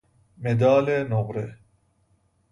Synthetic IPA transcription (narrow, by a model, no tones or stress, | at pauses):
med̪aːlenoɣɾe